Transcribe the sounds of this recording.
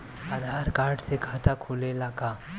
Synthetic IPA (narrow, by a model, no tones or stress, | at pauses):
aːd̪ʱaːɾkaːɾɖsekʰaːt̪akʰulelaːkaː